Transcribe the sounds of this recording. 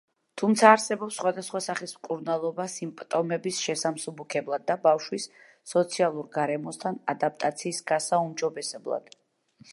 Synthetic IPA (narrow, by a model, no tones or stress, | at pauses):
t̪ʰumt̪sʰaːɾsɛbɔpsːχwad̪asχwasaχismkʼuɾnalˠɔbasimpʼt̪ʼɔmɛbisʃɛsamsubukʰɛblˠad̪ːabafʃwisː | ɔt̪sʰialˠuɾɡaɾɛmɔst̪ʰanad̪ap̚ʼt̪ʼat̪sʰiːsɡ̥asaumd͡ʒɔbɛsɛblˠa̰d̪̥